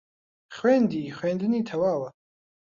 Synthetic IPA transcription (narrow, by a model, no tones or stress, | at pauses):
χwɛːnd̪iχwɛːnd̪nit̪ʰawaːwa